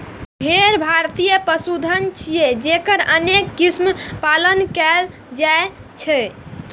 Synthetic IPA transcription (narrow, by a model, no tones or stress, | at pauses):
bʱeɾbʱaɾt̪ijəpəsud̪ʱənt͡ʃʰijed͡ʒekəɾənekːismpalənkɛl | d͡ʒae | t͡ʃʰɛ